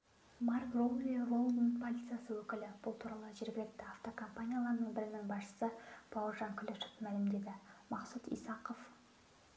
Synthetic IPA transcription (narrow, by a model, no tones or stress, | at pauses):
mɑrkrowlʲirolˠmənt̪pʰolʲit̪sɨjasəwɵkʲɪlɪb̥ʊlˠt̪ʰuɾɑlˠəʒe̞ɾɡʲɪlɪk̚t̪ɪaft̪o̞kʰo̞mpanʲijalˠɑɾd̪əɴbɪɾɪnɪŋbɑsʃə̥səpʰowrʒɑŋkʲʰʏleʃə̥fmælɪmd̪e̞d̪ɪmɑqsut̪ḭjsɑqəf